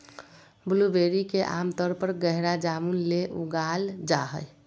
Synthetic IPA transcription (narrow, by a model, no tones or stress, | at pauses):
bʊlubeɾikeʔa̰mt̪əɾpəɾɡəɦɾad͡ʒamunleʔuɡald͡ʒaɦəj